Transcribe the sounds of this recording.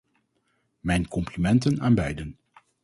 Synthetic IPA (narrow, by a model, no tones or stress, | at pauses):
mɛjnkɔmplimɛntənaːnbɛjdən